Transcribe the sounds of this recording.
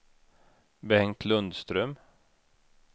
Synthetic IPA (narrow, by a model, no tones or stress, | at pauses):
bɛhɛŋt̪ʰlɵnd̪st̪ɾœm